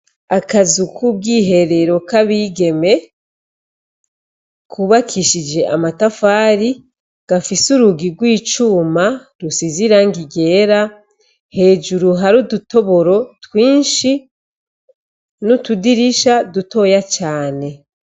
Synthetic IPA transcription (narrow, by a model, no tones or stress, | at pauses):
akazukʰub̚ɡiːɦe̞ɾe̞ɾo̞kaβiɡe̞me̞ | kʰuβakʰiʃid͡ʒe̞ʔa̰matafaːɾi | ɡ̥afisuɾuɡiɾɡwiːt͡ʃuːma | ɾusiziɾaŋɡiɡe̞ːɾa | he̞ːd͡ʒuɾuɦaɾuduto̞βo̞ɾo̞twiːnʃi | nutudiɾiʃaduto̞jat͡ʃaːne̞